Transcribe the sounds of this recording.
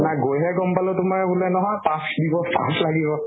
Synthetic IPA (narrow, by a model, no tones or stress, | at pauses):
naɡojɦɛkɔmpalʊtʊmaɹɛbulɛnɔɦɔ̃jpãsdibɔpa̰slaɡibɔ